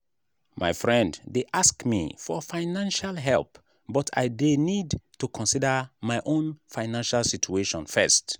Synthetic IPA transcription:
ma̰ɪfɹɛ̃nddeʔaskmḭfɔfaɪnãnʃalɦɛ̰lˠp | bɔtʰa̰ɪdenidtukʰɔ̃nsidəmaɪʔõnfaɪnãnʃalˠsit͡ʃueʃɔ̃nfɛ̰st

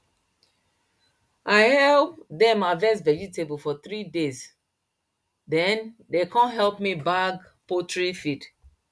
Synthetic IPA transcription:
aɪhɛlp̚dɛ̃mavɛs̬tvɛd͡ʒitebofɔt̪ɹidez | dɛ̃ndekɔ̃nɦɛlpmibaɡ | potɹifid

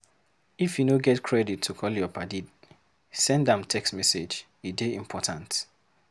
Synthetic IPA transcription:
ifjunoɡɛtkʰɹɛditʰːukʰɔljɔpʰadid | sɛ̃ndãmtʰɛkstmɛsed͡ʒ | ideĩmpʰɔtʰãnt

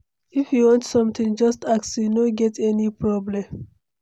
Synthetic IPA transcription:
ifjuwɔ̃ntsɔ̃mt̪ĩŋd͡ʒɔstaksjunoɡɛtɛnipɹɔblɛ̃m

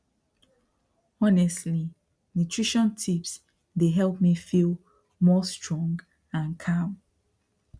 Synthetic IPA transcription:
ɔnɛstli | nutʰɹiʃɔ̃ntʰips | deɦɛlˠpmifilˠ | mɔstʰɹɔ̃ŋɡ | ãnkʰam

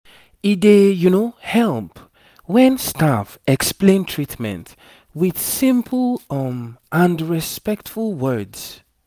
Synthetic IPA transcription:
idejunohɛlˠp | wɛ̃nstafɛksplẽntʰɹitmɛ̰̃nt | wið̥sĩmpʰl̩ˠʌmãndɹispɛk̚tfulˠwɜ˞dz

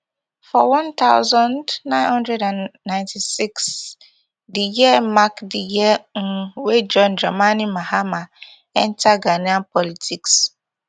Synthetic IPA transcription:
fɔwɔ̃nt̪aʊzɔ̃ndnãɪ̃nhɔ̃ndɹɛdãnːãɪ̃ntisiks | dijiɛmakdijɛŋ̩wed͡ʒɔnd͡ʒamanimahama | ɛn̩taɡanianpʰɔlitiks

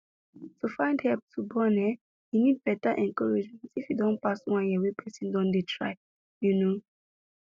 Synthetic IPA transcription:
tufãɪ̃ndhɛlp̚tʰubɔnɛ | hinid̚bɛtaʔɛ̃nkɔɹɛd͡ʒmɛ̃ntifjudɔ̃npaswãnjiwepʰɛsĩndɔ̃ndetʰɹa̰ɪ | juno

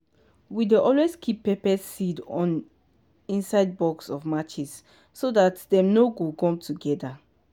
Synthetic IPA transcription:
wideʔɔlweskʰipːɛpɛsidɔ̃n | ĩnsaɪd̚bɔksɔvmat͡ʃisː | odatdɛ̃mnoɡokɔ̃mtʰuɡɛda

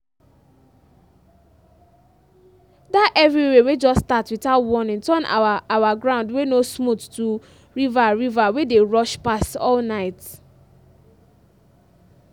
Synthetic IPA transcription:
daʔɛvɹiwewed͡ʒɔsːtatwitaʊtwɔ̃nĩntɔ̃na̰aʔawaɡɹãʊ̃ndwenosmuttu | ɹivaɹivawedeɹɔʃpastɔ̰lnaɪt

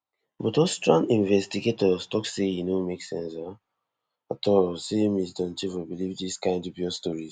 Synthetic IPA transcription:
bɔtostɹãŋĩnvɛstiɡetɔstɔkseinomeksɛ̰̃nsa | atʰɔsemisdɔ̃nt͡ʃifibilivdiskãɪ̃ndɔvbjɔstɔɹiz

